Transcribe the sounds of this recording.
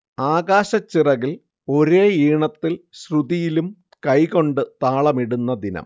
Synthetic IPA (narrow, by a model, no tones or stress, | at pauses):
aːɣaːɕɐt͡ɕːirɐɣil | o̞ɾeːiːɳɐt̪ːilɕruðijilum | kɐjɣo̞ɳɖɨt̪aːɭɐmiɽunːɐd̪inɐ̰m